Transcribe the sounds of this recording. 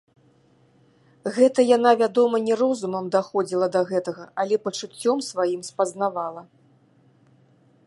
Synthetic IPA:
ɣɛt̪ɐjanavʲad̪ɔmɐnʲɛɾɔzumɐmd̪axɔd͡zʲilˠɐd̪ɐɣɛt̪ɐɣɐalʲɛpɐt͡ʂut͡sʲːɔmsvajimspɐznavalˠɐ

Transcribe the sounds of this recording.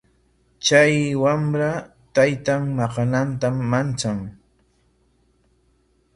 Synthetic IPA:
t͡ʃajwamɾa | t̪ajt̪aŋmɑqɑnant̪amːant͡saŋ

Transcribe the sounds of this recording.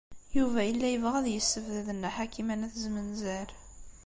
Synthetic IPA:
juvæəlːæjəvʁæðjəsːəvðəðənːæħakimænæθzmənzæɾ

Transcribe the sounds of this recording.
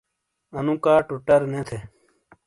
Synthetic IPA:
ɐnũːkaːʈuʈɐɾnẽːt̪ʰe

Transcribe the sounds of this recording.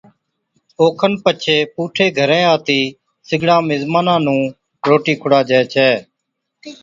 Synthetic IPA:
oːkʰənpət͡ʃʰeːpuːʈʰeːɡʱəɾẽːaːt̪iː | sɪɡɽãːmɪzmaːnãːnũː | ɾoːʈiːkʰʊɽaːd͡ʒɛːt͡ʃʰɛː

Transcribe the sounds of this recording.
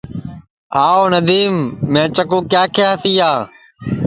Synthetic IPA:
aːoːnəd̪iːmːẽːt͡ʃəkõːkjaːkʰeːɦt̪iːaː

